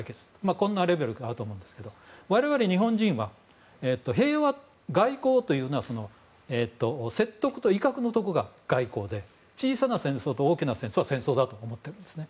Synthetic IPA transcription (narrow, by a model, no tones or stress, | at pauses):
aike̞t͡sɨ̥makõ̞nːaɾe̞be̞ɾɯ̟ɡaaːɾɯ̟t̪oːmõnd̪eske̞d̪o̞βaɾe̞βaɾe̞ɲ̟iɦõ̞ɲ̟d͡ʑĩɰ̃βa | eːt̪ːo̞ɦe̞ːβa | ɡaiko̞ːt̪o̞jɯ̟ːnoaso̞no̞ | eːt̪ːo̞se̞t̪ːo̞kɯ̟̥t̪o̞ikakɯ̟not̪o̞kɯ̟ɡaɡ̥aiko̞ːd̪e̞ | t͡ɕiːsanasẽ̞ɰ̃so̞ːt̪o̞oːkʲinasẽ̞ɰ̃soβasẽ̞ɰ̃so̞ːd̪at̪o̞ːmo̞t̪ːe̞ɾɯ̟nd̪e̞sɨne̞